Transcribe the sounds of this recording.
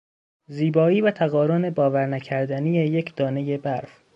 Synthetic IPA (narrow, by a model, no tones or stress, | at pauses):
ziːbɒːiːvæt̪ʰæɣɒːɾone̞bɒːvæɾnæcʰæɾd̪ænije̞je̞cʰd̪ɒːne̞je̞bæɾf